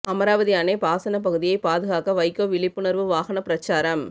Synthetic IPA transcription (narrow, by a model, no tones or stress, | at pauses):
ʔɐmɐɾaːʋɐðijaːnepaːsɐnɐpɐɣɯðɪjɐɪpaːðɯɣaːkɐʋɐɪkːoːʋɪɭɪpːɯɳɐɾʋɯʋaːɣɐnɐpɪɾɐt͡ʃːaːɾɐm